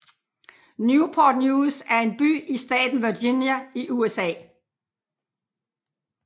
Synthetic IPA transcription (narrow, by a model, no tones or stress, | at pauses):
njupʰod̥njuːsæɐe̝nb̥y̰ːisd̥ɛ̰ːd̥n̩ʋyɐdinjæiʔuesɛ̰ː